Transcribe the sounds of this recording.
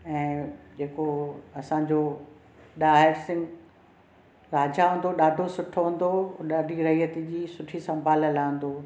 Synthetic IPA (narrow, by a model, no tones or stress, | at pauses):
ɛ̃ːd͡ʑeːkoɐsãːɲd͡ʑoː | ɗaːɦɪɾsɪ̃ŋɡ | ɾaːd͡ʑaɦʊ̃ːnd̪oɗaːɖʱosʊʈʰoɦʊ̃ːn̆d̪oɗaːɖʱiɾɐɦiət̪id͡ʑiːsʊʈʰisɐ̃mbʱaːlɐlaːə̃n̆d̪oː